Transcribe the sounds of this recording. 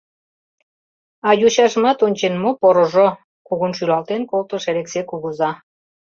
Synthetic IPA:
ɑjuɕɑʃmɑt̪onʲt͡ɕenmopoɾoʒo | kuɣunʃylɑlt̪enkolt̪ə̆ʃeɾeksekuɣuzɑ

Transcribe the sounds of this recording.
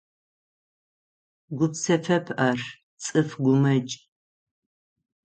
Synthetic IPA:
ɡʷʊpsɐfɐpʰʔɐr | t͡sʼɨfɡʷʊmɐt͡ʃʼ

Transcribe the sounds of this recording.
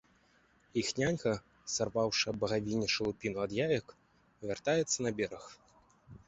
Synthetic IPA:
ixnʲanʲkɐ | sarvawʂɨbɐɣavʲinʲːɛʂɨlˠupʲinuad̪javʲɐk | vʲart̪ajɛt̪sːɐnɐbʲɛɾɐx

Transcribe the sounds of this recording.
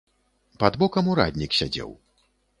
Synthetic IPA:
pad̪bɔkɐmuɾa̰d̪ʲnʲiksʲad͡zʲɛ̰w

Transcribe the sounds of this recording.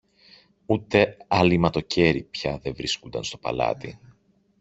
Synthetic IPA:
ut̪e̞ɐlimɐt̪o̞ce̞ɾipçɐðe̞vɾiskond̪ɐ̰nst̪o̞pɐ̰lɐ̰t̪i

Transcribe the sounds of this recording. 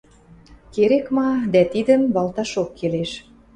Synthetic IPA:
keɾekmɑd̪æt̪id̪ə̆mbɑlt̪ɑʃokːeleʃ

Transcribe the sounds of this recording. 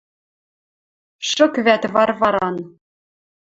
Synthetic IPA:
ʂɤ̆kvæt̪vɑrvɑɾɑn

